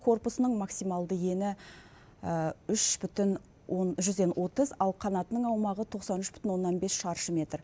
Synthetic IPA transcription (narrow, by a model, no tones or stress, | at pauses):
kʰo̞rpʊsənəɴmɑksijmɑlˠd̪əje̞nɪ | əʏʃb̥ʏt̪ɪn | wonʒʏzd̪e̞nwʔo̞t̪əzɑlˠqʰɑnɑt̪ənəɴɑwmɑʁət̪ʰo̞qsɑnʏʃb̥ʏ̥t̪ɪnwo̞nːɑnbesʃɑɾʃəmʲe̞t̪r